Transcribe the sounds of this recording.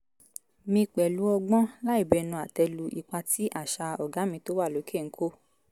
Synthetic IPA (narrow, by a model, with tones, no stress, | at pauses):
mĩ˧k͡pɛ˨lu˨˦ɔ˧ɡ͡bɔ̃˦la˦i˦˨bɛ˧˦nũ˧˨a˨tɛ˧lu˧ʔi˧k͡pa˧ti˦ʔa˦˨ʃa˧ɔ˨ɡa˨˦mĩ˧to˦wa˦˨lo˨˦kʰe˦˨ŋ̩˦kʰo˦